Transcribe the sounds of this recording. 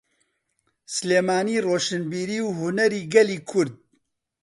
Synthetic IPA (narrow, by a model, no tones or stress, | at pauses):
sleːmaːniːroːʃɨnbiːɾiːwhʊnɛɾiːɡɛliːkʰʊɾd̪̚